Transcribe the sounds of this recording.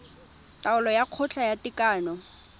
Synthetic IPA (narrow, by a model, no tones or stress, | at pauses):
tʼaʊlɔjaq͡χʰʊt͡ɬʰajatʼɪkʼaːnɔ